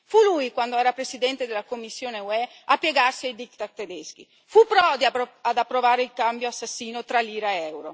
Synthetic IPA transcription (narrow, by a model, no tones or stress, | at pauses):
fulujkwand̪oɛːɾapɾesid̪ɛnt̪ed̪elakomːisːjoːneuɛ | apːjeɡarsiajd̪ik̚t̪att̪ed̪esk̟ḭ | fupːɾɔd̪iad̪apːɾovaːɾeilkambjoasːasːiːnot̪ɾalːiːɾaɛwɾo